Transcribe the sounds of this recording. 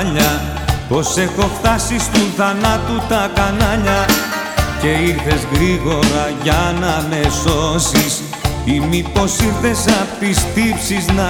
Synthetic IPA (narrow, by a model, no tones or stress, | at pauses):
ʎɐ | po̞se̞xo̞ft̪ɐsist̪uθɐnɐt̪ut̪ɐkɐnɐʎɐ | ce̞iɾθe̞zɣɾiɣo̞ɾɐʝɐnɐme̞so̞sis | imipo̞siɾθe̞sɐp̪ist̪ipsiznɐ